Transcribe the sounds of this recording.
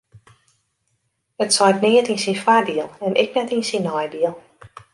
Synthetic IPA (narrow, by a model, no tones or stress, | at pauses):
ətsɔjtniətinsinfarbiəlˠɛnʔɪ̰k̚nɛtinsinɔjbiəlˠ